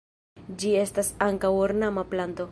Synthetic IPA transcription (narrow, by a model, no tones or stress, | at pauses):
d͡ʒie̞stasaŋkawoɾnamaplant̪o̞